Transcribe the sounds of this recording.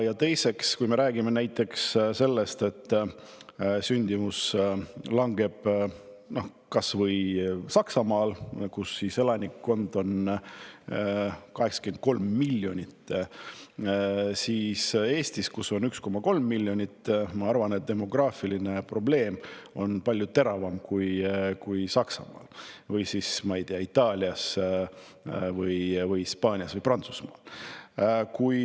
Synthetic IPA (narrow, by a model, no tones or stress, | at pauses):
jɑt̪e̞jse̞kskujme̞ɾæːɡ̥ime̞næjt̪ːˑe̞ksse̞lːe̞st̪e̞t̪ːˑ | synʲd̪̥imus | lɑŋɡ̥e̞b̥ | no̞h | kɑsvɤjsɑksɑmɑːlkusːise̞lɑnʲikːo̞nd̪o̞n | kɑɦe̞ksɑ̥kent̪̚ko̞lmːilʲːjo̞nʲit̪ːˑ | siːse̞ːst̪iskuso̞nyksko̞mɑko̞lmːilʲːjo̞nʲit̪ːmɑɑrvɑnet̪̚d̪̥e̞mo̞ɡ̥rɑːfiline̞pro̞ble̞ːmo̞npɑlʲjut̪e̞ɾɑvɑmkujkujsɑksɑ̰mɑ̰ːlvɤjsismɑijd̪eɑit̪ːˑɑːlʲiɑs | vɤjvɯjispɑːnʲiɑsvɤjprɑnt̪su̥smɑ̰ːl | kuj